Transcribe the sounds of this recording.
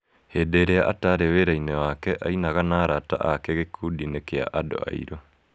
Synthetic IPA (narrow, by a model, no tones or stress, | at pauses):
hedeɾeaʔataɾeweɾainɛwakɛʔainaɣanaːɾata̰ʔakɛɣekʰudinekea̰ʔado̰a̰ḭɾo